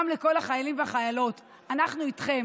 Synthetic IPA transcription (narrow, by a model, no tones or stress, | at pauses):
mleko̞laχajalimveaχajalo̞t | anaχnuitχe̞m